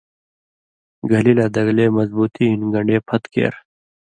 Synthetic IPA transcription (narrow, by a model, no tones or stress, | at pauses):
ɡɐlilaːd̪ɐɡleːmɐzbuːt̪iɦinɡɐɳɖeːpʰɐt̪kḛːɾ